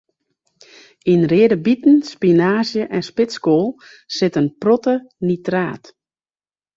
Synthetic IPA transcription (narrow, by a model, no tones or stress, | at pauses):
inrɪədəbitn̩spinaːzjəʔɛnspɪskoːlˠ | sɪtənprɔtənitraːt